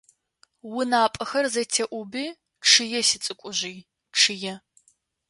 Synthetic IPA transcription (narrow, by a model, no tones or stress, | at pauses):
wʊnaːpʼɐxɐrzɐtʰeʔʷʊbiː | ʈ͡ʂʰɨjɛsɪt͡sʼɨkʷʼʊʑiː | ʈ͡ʂʰɨjɛ